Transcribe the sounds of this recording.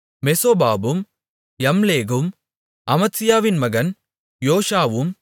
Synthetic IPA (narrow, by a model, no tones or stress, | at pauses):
mɛsoːbaːbɯm | jɐmleːɣɯm | ɐmɐt̪sɪjaːʋɪnmɐɣɐn | joːʂaːʋɯm